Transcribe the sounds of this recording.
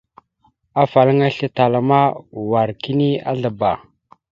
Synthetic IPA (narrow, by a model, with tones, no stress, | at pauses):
a˦fa˨lə˦ŋa˦ɬə˦ta˨la˨ma˦wa˨ɾki˦ni˦a̰˦ɮə˨ba˨